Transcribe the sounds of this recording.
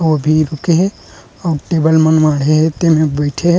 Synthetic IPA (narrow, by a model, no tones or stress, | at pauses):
obʱiɾukeɦe | aɾʈebəlmənmaɽeɦet̪emebəɪʈʰeɦe